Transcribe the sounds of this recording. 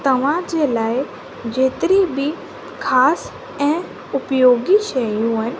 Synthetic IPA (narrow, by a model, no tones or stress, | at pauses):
t̪ɐʋ̤ãd͡ʑelaːi | d͡ʑeːt̪ɾibʱi | kʰaːs | ɛ̃ | ʊpjoːɡiʃəjũən